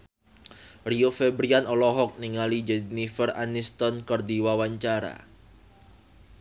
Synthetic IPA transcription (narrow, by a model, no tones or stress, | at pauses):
riofebɾianɔlɔɦɔk̚niŋalid͡ʒɛdnifəra̰nist̪ɔnkərdiwawaɲt͡ʃaɾa̰